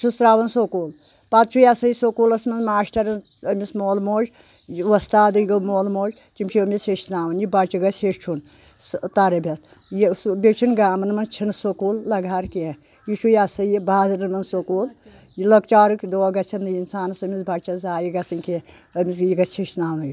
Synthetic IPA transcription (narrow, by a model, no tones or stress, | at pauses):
susɾaːʋɐnsokuːl | pat̪t͡ʃʰujasɐjisokuːlɐsmɐnzmaːʃʈɐɾɐn | əmʲismoːlmoːʒ | ʋɐst̪aːd̪ɨjɡɐmoːlmoːd͡ʒʲ | t͡ʃimʲt͡ʃʰiɐmʲiseʃtnaːʋɐnjibɐt͡ʃɐɡɐseʃt͡ʃʰun | st̪ɐɾɐbʱʲɐt̪ | jibʲet͡ʃʰinɡaːmɐnmɐnt͡ʃʰinsokuːllɐɡʱaːɾke | jiʃʰujasɐjibaːzɨɾɨmɐnsokuːl | jlɐk̚t͡ʃaːɾɨkd̪oːɐɡɐt͡ʃʰɐnd̪ɨinsaːnɐsɐmʲisbɐt͡ʃɐzaːjiɡɐsɨnʲke | ɐmʲisjiɡɐt͡ʃʰiʃtnaːwnɨji